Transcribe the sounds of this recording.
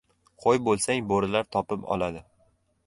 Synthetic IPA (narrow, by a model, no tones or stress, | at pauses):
qʰojbolˠsaŋboɾɪlaɾt̪ʰɒpɪpɒ̰lˠad̪ɪ